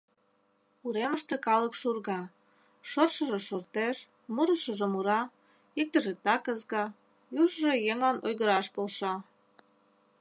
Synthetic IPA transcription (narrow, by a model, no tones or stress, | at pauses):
uɾeməʃt̪ĕkɑləkʃurɣɑ | ʃorʃəʒeʃort̪eʃ | muɾəʃəʒĕmuɾɑ | ik̚t̪əʒet̪ɑkəzɣɑ | juʒʒejeŋlɑnʔojɣəɾɑʃpolʃɑ